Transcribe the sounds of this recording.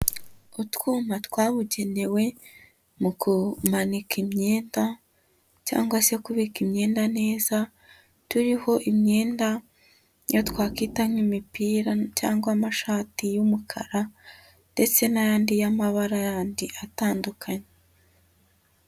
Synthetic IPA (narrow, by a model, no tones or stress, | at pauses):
utkuːmatkwaːβuɟe̞ne̞we̞ | mukumanikimɲe̞ːnda | ca̰ːŋɡwase̞kuβikimɲe̞ːndane̞ːza | tuɾiho̞ʔimɲe̞ːnda | jo̞tkwaːkitanimipiːɾaca̰ːŋɡwamaʃaːtijumukʰa̰ɾa | nde̞t͡se̞najaːndijamaβaɾajaːndiʔataːndukʰaɲe